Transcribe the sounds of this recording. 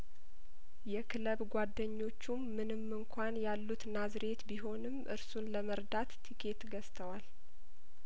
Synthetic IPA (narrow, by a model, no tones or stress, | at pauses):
jɛkʰɨləβɡʷad̪ːəɲːo̞t͡ʃːumːɨnɨmːɨŋkʷʰanjalːut̪nazɾe̞t̪biɦo̞nɨmʔɨ̰ɾsunləməɾd̪at̪ːikʰe̞t̪ɡəst̪ʰəwal